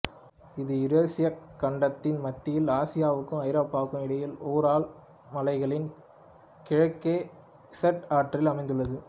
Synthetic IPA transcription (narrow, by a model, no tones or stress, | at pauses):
ɪðɯɪɾeːsɪjɐkːɐɳɖɐt̪ːɪnmɐt̪ːɪjɪlaːsɪjaːʋɯkːɯɐɪɾoːpːaːkːɯmɪɽɐjɪloːɾaːl | mɐlɐɪɣɐɭɪn | kɪɻɐkːeː | ɪsɐʈaːʈrɪlɐmɐɪnd̪ɯɭːɐðɯ